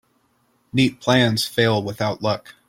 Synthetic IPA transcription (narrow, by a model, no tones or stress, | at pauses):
nit̚pʰl̥æ̃nz̥feɪlˠwəθaʊʔˡlʌk